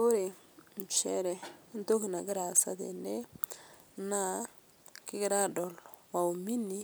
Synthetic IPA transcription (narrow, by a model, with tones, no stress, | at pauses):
o˦ɾe˨ | n˨t͡ʃɛ̰˦ɾɛ˨˦nt̪o˦kna˨ɡɪ˦ɾa˨sɐ̰˦dɛ̰˨ne˦ | na˦ | kɪ˦ɡɪ˦ɾa˦dɔ˨lwa˨u˨mi˦ni˨